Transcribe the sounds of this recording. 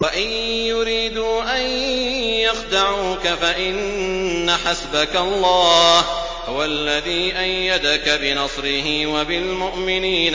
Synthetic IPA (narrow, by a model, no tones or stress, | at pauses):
waʔɪnjʊɾiːd̪uːʔanjɑxd̪aʕuːkafaʔɪnːaħasbakaɑlˤːɑː | hʊwalːaðiːʔajːad̪akabɪnɑsˤɾɪɦɪwabɪlmʊʔmɪniːn